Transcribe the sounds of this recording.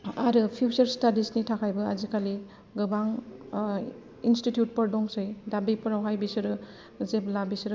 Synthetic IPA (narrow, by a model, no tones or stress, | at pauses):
aɾɯpʰjuwsɐɾstadisnitʰakʰajbɐazikʰali | ɡɯbaŋ | institjut̚pɐɾdɔŋsɯjdabipʰɐɾawɦajbisɯɾɯ | zeblabisɯɾɯ